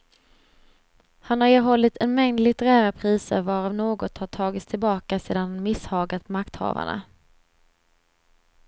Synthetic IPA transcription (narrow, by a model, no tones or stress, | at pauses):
hanhaɾeːɦɔlːɪt̪ʰɛnmɛŋd̪lɪt̪ɛɾæːɾapʰɾiːsə̰ɾvɑːɾavnoːɡɔt̪haʈʰɑːɡɪt̪st̪ʰɪlbɑːkaseːd̪anmɪshɑːɡat̪makt̪hɑ̰ːva̰ɳa̰